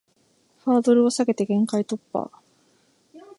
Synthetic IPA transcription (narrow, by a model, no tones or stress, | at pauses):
ɸaːd̪o̞ɾɯ̟o̞saɡe̞t̪e̞ɡẽ̞ŋkait̪o̞pːa̰